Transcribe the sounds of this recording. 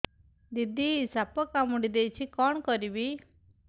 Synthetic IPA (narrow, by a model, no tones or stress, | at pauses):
d̪id̪isapɔkamuɽid̪ejt͡ʃʰikɔɳ̃kɔɾibi